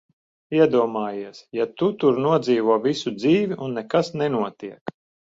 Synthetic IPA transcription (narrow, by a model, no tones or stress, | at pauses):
iɛd̪uɔmaːjiɛsjat̪ut̪uɾnuɔd̪ziːvuɔvisud̪ziːvʲiʔunːɛkasnɛnuɔt̪iɛk